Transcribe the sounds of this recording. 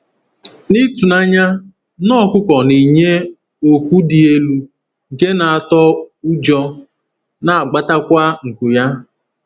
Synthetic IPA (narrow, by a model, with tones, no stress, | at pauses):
ni˦tu˨na˦ɲa˦ | nɔ˦kʷʊ˦kɔ˨ni˨ɲe˦ | o˨kʷu˦di˨e˦lu˦ | ɡe˦na˨a˨tɔ˦u˦d͡ʒɔ˦ | na˨a˨ɡ͡ba˦ta˦kʷa˦ŋ̩˨ku˨ja˦